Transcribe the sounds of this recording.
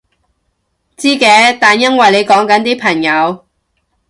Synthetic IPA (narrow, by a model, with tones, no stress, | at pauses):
t͡siː˥kɛː˨˥t̪aː˨˩njɐ˥nwɐ˨˩jle˨˧jkɔː˨˥ŋkɐ˨˥nt̪iː˥pʰɐ˨˩ŋjɐ˨˧w